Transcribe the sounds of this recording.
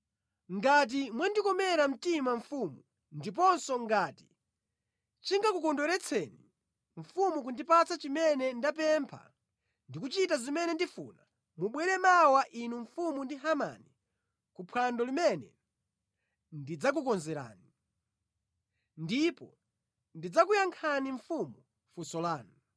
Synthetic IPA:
ŋɡat̬imwandikɔmɛɾam̩timaɱfumu | ndip̬ɔnsɔŋɡaːti̥ | t͡ʃiŋɡakukɔndɔɾɛt͡sʰɛni | ɱ̩fumuk̬undipat͡sat͡ʃimɛnɛndap̬ɛmpʰa̰ | ndikut͡ʃitazimɛnɛndifṵːna | muɓwɛɾɛmawaʔinuɱfumundiɦama̰ni | kupʰwandɔlimɛnɛ̰ | ndid͡zak̬ukɔnzɛɾa̰ːni | ndipɔ | ndid͡zakujaŋkʰaniɱfumu | fusɔlaːnu

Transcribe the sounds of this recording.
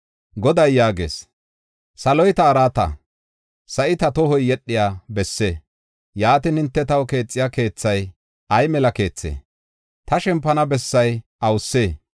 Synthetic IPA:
ɡɔd̪ɐjjaːɡe̞̰ːs | sɐlɔjt̪ɐːɾaːt̪ɐ̰ | sɐʔɪt̪ɐt̪ɔɦɔjːɛɗːɪjaːbɛsːeː | jaːt̪ɪnhɪnt̪ːɛt̪ɐwke̞ːt͡sʼːɪjaːke̞ːt͡sːɐj | ʔɐjmɛlɐke̞ːt͡sːḛː | t̪ɐʃɛmpːɐnɐbɛsːɐjʔɐwsːeː

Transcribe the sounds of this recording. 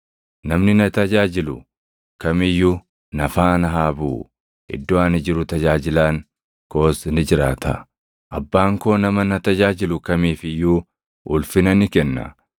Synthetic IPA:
nɐmnɪnɐt̪ɐd͡ʒaːd͡ʒɪlʊ̰ | kɐmɪjːu | nɐfaːnɐɦaːbṵː | ɪ̰d̪ːɔaːnɪd͡ʒɪɾʊt̪ɐd͡ʒaːd͡ʒɪlaːŋ | ko̞ːsnɪd͡ʒɪɾa̰ːt̪ʰɐ̰ | ʔɐbːaːŋko̞ːnɐmɐnɐt̪ɐd͡ʒaːd͡ʒɪlʊkɐmiːfɪjːuː | ʔʊlfɪnɐnɪkɛnːɐ̰

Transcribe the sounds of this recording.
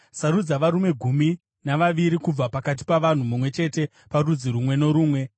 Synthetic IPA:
saɾud͡zaʋaɾume̞ɡʱumi | naʋaʋiɾikub͡vapakat̬i̥paʋan̤umumwe̞t͡ʃe̞te̞ | parud͡ziɾumwe̞no̞ɾuːmwe̞

